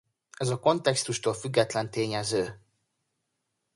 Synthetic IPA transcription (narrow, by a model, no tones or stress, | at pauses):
ɛzɒko̞nt̪ɛkst̪uʃt̪oːlfyɡːɛt̪lɛnt̪eːɲɛzøː